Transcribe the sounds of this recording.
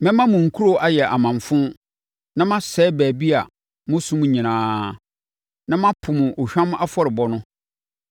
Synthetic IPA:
mɛ̃˦mã˦mʊ̃˨ŋ̩˨kʰu˦ɾo˦˨ʔa˦jɛ˨ʔa˨mã˨ɱfʊ̃˦ | nã˦mã˦sɛː˦bæː˨bi˦a˨ | mʊ̃˦sũ˦m̃˦ɲĩ˨nãː˨˦ | nã˦mã˦pʰʊ˨mʊ̃˨ʔo˨ɕᶣã˦m̃˦a˦fɔ˦ɾɪ˨bɔ˦nʊ̃˦

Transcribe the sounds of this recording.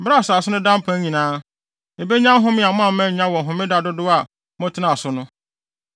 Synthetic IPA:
ba˦˨sa˨sʊ˦nʊ̃˦dã˦m˦pʰã˦ɲĩ˨nãː˦ | e˨be˦ɲã˦ɦʊ̃˦mɪ̃˦a˨mʊ̃˦ã˨m̩˦mɛ̃˦˨˦ɲã˦wɔ̃˨ɦʊ̃˨mɪ̃˦da˨dʊ˦dʊ˦a˨ | mʊ̃˦tʰɪ˦nã˨sʊ˦nʊ̃˦

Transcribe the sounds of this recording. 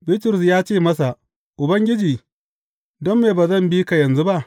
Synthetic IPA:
bi˦tʊ˨ɾʊ˨s̬jaː˦t͡ʃeː˦˨mɐ˦s̬a˨ʔ | ʔʊ˨bɐ˦ŋɡʲɪ˦d͡ʒiː˨ | dɔ˦mːeː˨baː˨zɐ˦˨mbiː˦ka˨jɐ˨nzu˦ba˦ʔ

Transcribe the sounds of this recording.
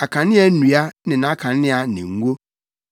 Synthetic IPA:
a˨kʰa˨nɪ̃˦ɛ˨˦nũ˨a˦nɪ̃˨nã˨˦kʰã˨˦ɪ̃˦a˨nɪ̰̃˨ŋ̩˦ɡʷo˦

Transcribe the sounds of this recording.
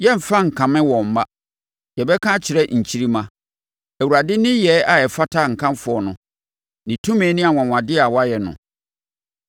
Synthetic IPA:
jɛ˦m̩˨fã˦ŋ̩˨kʰã˨mɪ̃˦wɔ̃˨m̩˨ma˦ | jɛ˨bɛ˦kʰã˦t͡ɕʰɪ˨ɾɛ˦ɲ̩˨t͡ɕʰi˦ɾi˦mã˨ | æ˨wu˨ɾa˨dɪ˦nɪ̃˦jɛ˨˦a˨jɛ˨fa˦tʰa˦˨ŋ̩˨kʰã˦m˦fʊ˨ɔ˨nʊ̃˨ | nɪ̃˨tʰũ˦mɛ̃ː˨˦nɪ̃˦a˨wɔ̃˨wã˨dɪ˦a˨wa˦jɛ˨nʊ̰̃˨

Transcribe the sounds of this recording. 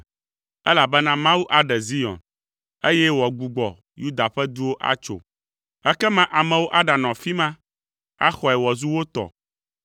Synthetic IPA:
ɛ˦la˨bɛ˦nã˦mã˦wu˦ʔa˦˨ɖɛ˨zi˦jɔ̰̃˨n | e˦jɛ˦wɔ˨ɡ͡bu˨ɡ͡bɔ̰˨ | ju˦d̪a˨ɸɛ˦d̪u˦wo˦ʔa̰˦t͡ʃo̰˨ | ɛ˦kɛ˦mã˦ʔa˨mɛ̃˨wo˦ʔa˦ɖa˨nɔ̃˨fi˦mã˦ | a̰˦xɔ˨ɛ˨wɔ˨zu˦wo˦t̪ɔ̰˨

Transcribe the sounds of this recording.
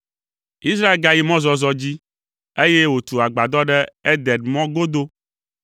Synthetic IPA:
i˦s̬ɾa˦e˦lɡa˨ji˦mɔ̃˦zɔ˨zɔ˨d͡ʑi˦ | e˦je˦wo˨t̪u˨a˨ɡ͡ba˨d̪ɔ˦ɖɛ˦e˦d̪ɛ˨ɖmɔ̃˦ɡo˦d̪o˦

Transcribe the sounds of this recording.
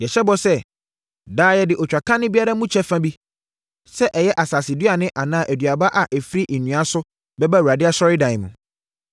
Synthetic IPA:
jɛ˨ɕɛ˦bɔ˦sɛ˦ | daː˦jɛ˦dɪ˨ʔɔ˨t͡ɕᶣa˨kʰã˦nɪ̃˦bi˦a˦ɾa˦mũ˦t͡ɕʰɛ˦fã˦bi˦ | sɛ˦ʔɛ˨jɛ˦ʔa˨saː˨sɪ˨dɥa˨nɪ̃˦ʔa˨nãː˦˨ʔæ˨dɥa˨ba˦ʔa˨ʔɛ˨fi˦ɾi˦ʔi˨nũ˨a˦sʊ˦ | bɛ˦ba˦˨wu˨ɾa˨dɪ˦a˦sɔ˦ɾɪ˦dã˨ɪ̃˨mũ˨

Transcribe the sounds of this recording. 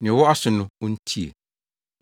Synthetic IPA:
nɪ̃˨wɔ˦a˦sʊ˨nʊ̃˦wɔ˦n̩˦tʰi˦ḛ˨

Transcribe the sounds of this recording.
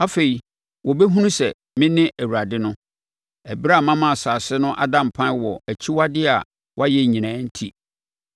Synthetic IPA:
a˦fe˨i˨ | wɔ˨bɛ˦ɦũ˦nũ˦sɛ˨ | mɪ̃˦nɪ̃˦ʔæ˨wu˨ɾa˨dɪ˦nʊ̃˦ | æ˨bi˦ɾa˦˨mã˦mã˦˨saː˨sɪ˦nʊ̃˦ʔa̰˦dã˦˨m̩˨pʰã˦n˦wɔ˨æ˨t͡ɕʰi˦wa˦dɪ˦a˨ | wʔa˦jɛ˦˨ɲĩ˨nãː˨˦n̩˦tʰi˦

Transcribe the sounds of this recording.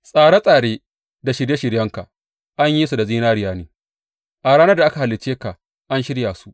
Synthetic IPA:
sʼaː˨ɽa˦sʼaː˨ɽeː˦ | da˨ʃɪ˨ɽje˦ʃɪ˨ɽjɐ˦ŋka̰˨ | ʔa˦ɲji˦su˨da˨ziː˦naː˦ɾɪ˦jaː˦neː˨ | ʔa˨ɽaː˦nɐ˦da˨ʔa˦ka˨ha˨lːɪ˨t͡ʃːeː˦ka˨ | ʔa˦nʃɪ˦ɽja˨su˦ʔ

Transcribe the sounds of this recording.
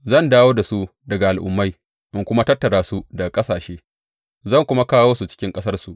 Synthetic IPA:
zɐ˦˨ndaː˦woː˦da˨su˦dɐ˨ɡa˨ʔa˨lʔʊ̰˨mːa˦j | ʔɪ˦ŋkʷʊ˦ma˦tɐ˦tːɐ˨ɽaː˦su˦dɐ˨kʼɐ˦saː˨ʃeː˦ | zɐ˦˨ŋkʷʊ˦ma˦kaː˦woː˦su˨t͡ʃɪ̥˦kʲɪ˦ŋkʼɐ˦sɐ˦rsu˨ʔ

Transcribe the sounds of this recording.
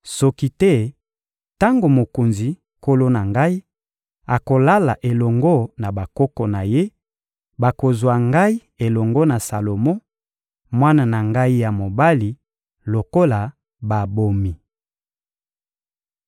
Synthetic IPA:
sɔ˦ki˦tɛ˦ | ta˦ŋɡo˨mo˨ko˨nzi˨ | ko˦lo˦na˨ŋɡa˦i˦ | a˨ko˨la˦la̰˨ʔe˨lɔ˨ŋɡo˦na˨ba˨kɔ˦kɔ˨na˨je˦ | ba˨ko˨zwa˨ŋɡa˦i˦ | e˨lɔ˨ŋɡo˦na˨sa˨lo˨mɔ˦ | mwa˦na˨na˨ŋɡa˦i˦ja˨mo˨ba˦li˨ | lo˨ko˦la˨ | ba˨bo˨mi˨

